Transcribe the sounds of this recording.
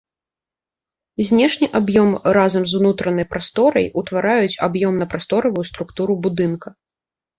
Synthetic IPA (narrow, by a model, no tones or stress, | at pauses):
zʲnʲɛʂnʲiʔabjɔmrazɐmzunut̪ɾɐnɐjpɾast̪ɔɾɐ̰jut̪vaɾajut͡sʲabjɔmnɐpɾast̪ɔɾɐvujust̪ɾukt̪uɾubud̪ɨnkɐ